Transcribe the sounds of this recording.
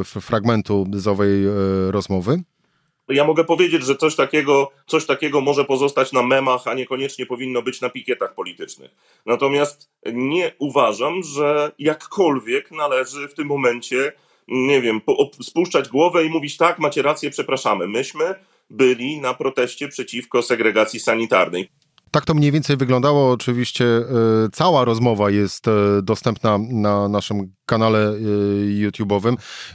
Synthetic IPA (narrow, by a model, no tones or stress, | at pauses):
fɾaɡmɛnt̪uzɔvɛjɾɔzmɔvɘ | jamɔɡɛpɔvʲjed͡ʑed͡ʑʐɛt̪sɔɕt̪akʲɛɡɔt̪sɔɕt̪akʲɛɡɔmɔʐɛpɔzɔst̪at͡ɕnamɛmaxaɲɛkɔɲɛt͡ʂɲɛpɔvʲinːɔbɘt͡ɕnapʲikʲjɛt̪axpɔlʲit̪ɘt͡ʂnɘ̰x | nat̪ɔmʲjast̪ | ɲɛuvaʐamʐɛjakːɔlvʲjɛknalɛʐɘft̪ɘmːɔmɛnt͡ɕɛ | ɲɛvʲjɛmpɔɔspuʂt͡ʂad͡ʑɡwɔvɛimuvʲit͡ɕt̪akmat͡ɕɛɾat̪sjɛpʂɛpɾaʂamɘmɘɕmɘ | bɘlʲinapɾɔt̪ɛɕt͡ɕɛpʂɛt͡ɕifkɔsɛɡɾɛɡat̪sʲisaɲit̪a̰ɾnɛj | t̪ak̚t̪ɔmɲejvʲjɛnt̪sɛjvɘɡlɔnd̪awɔːt͡ʂɘvʲiɕt͡ɕɛt̪sawaɾɔzmɔvajɛst̪d̪ɔst̪ɛmpnananaʂɘmkanalɛ | jut̪ʲjubɔvɘm